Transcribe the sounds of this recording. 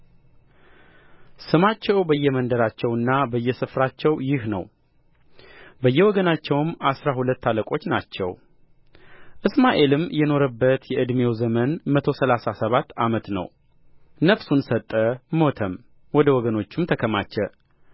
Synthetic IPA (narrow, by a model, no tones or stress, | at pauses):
sɨmat͡ʃːɛwbəjːɛmənd̪əɾat͡ʃːɛwɨnːabəjːɛsɨfɾat͡ʃːɛwjɪhnə̰w | bəjːɛwɔɡənat͡ʃːɛwmasɾahulət̪ːaləkʼo̞t͡ʃːnat͡ʃːɛw | ʔɨsmaʔe̞lɨmjɛno̞ɾəbːət̪jɛʔɨd̪me̞wzəmənmət̪ʰo̞səlasasəβat̪ːamət̪nə̰w | nəfsunsət̪ʼːəmo̞t̪ʰəm | wɔd̪əwɔɡəno̞t͡ʃːumt̪ʰəkʰəmat͡ʃːɛ